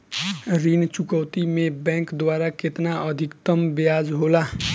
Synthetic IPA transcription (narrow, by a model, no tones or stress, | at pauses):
ɾint͡ʃukəwt̪imebɛ̃ŋkd̪waɾaket̪naəd̪ʱikt̪əmbjad͡ʒɦola